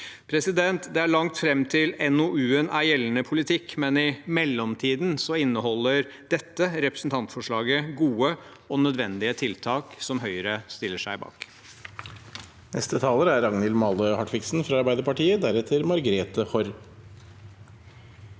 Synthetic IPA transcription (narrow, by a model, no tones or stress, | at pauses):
pʰɾɛsɪd̪ɛnt̪d̪ɛæɭɑŋt̪fɾɛmːt̪ʰɪlɛnoʔʉːənæɾjɛlːənəpʰʊlɪt̪ʰɪkːmɛnɪmɛlːɔmt̪ʰiːd̪nsɔɪnːəhɔlːəɾ | d̪̥ɛt̪ːəɾɛpɾə̥sn̩t̪ʰɑnt̪fɔʂɭɑːɡəɡuːə | ɔnœd̪ʋɛnd̪ɪət̪ʰɪlt̪ʰɑːksɔmɦœʏəɾəst̪ɪlːəʂæɪbɑ̰ːk | nɛ̰st̪ət̪ʰɑːləɾæɾɑŋnɪlmɑləhɑʈfɪksn̩fɾɑɑɾbæɪd̪əɾpɑʈiːəd̪æɾɛt̪ʰəɾmɑɾɡɾeːt̪əhɔɾ